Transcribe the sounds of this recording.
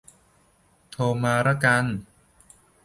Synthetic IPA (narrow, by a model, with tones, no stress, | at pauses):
t̪ʰoː˧maː˧ɾa˦˥ka˧n